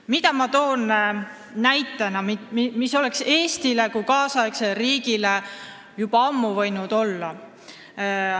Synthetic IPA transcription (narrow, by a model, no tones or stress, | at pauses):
mit̪ɑmɑt̪o̞ːnː | æjt̪ːˑɑnɑmmiso̞le̞kse̞ːst̪ilekujkɑːsɑekseɾiːɡ̥ile | jub̥ɑɑmːuvɤ̞jnud̪̥o̞lːɑ